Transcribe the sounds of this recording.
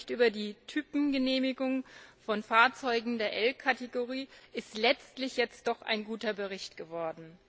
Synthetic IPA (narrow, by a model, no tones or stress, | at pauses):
çtʔyːbɐdiːtʰyːpm̩ɡəneːmɪɡʊŋfɔnfaːɐt͡sɔʏɡŋ̩deːɐʔɛlkʰateɡoʁ̞iːʔɪstlɛt͡stlɪçjɛt͡st̚d̥ɔχʔa̰ɪnɡuːtɐbəʁ̞ɪçtɡ̥əvɔɐdn̩